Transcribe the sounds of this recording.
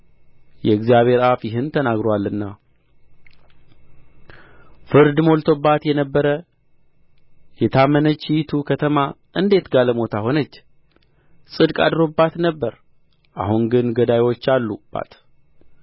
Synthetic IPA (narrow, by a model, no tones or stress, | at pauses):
jɛɨɡzijaβhe̞ɾafjɪɦɨnt̪ʰənaɡɾowalːɨnːa | fɨɾd̪mo̞lt̪ʰo̞bat̪jɛnəbːəɾə | jɛt̪ʰamənət͡ʃːijt̪ʰukʰət̪ʰəma | ʔɨnd̪e̞t̪ɡaləmo̞t̪ʰaho̞nət͡ʃː | sʼɨd̪kʼa̰d̪ɾo̞bːat̪nəbːəɾ | ʔa̰hunɡɨnɡəd̪ajwo̞t͡ʃːalːub̥a̰t̪